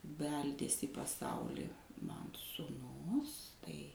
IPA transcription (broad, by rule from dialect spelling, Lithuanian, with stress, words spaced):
ˈbʲɛlʲdʲeːsʲ iː pɐˈsɐʊlʲɪ ˈmɐn suːˈnʊs tɐɪ